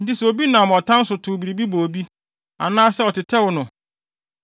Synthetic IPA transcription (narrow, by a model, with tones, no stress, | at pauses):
n̩˦tɪ˦sɛ˨o˨bi˦nã˨m˨ɔ˨tʰã˦n̩˦sʊ˨tʰʊ˨bi˨ɾi˨bi˦bo˨bi˦ | a̰˨nãː˦sɛ˦ɔ˨tʰɪ˨tʰɛ˦wʊ˨nʊ̃˨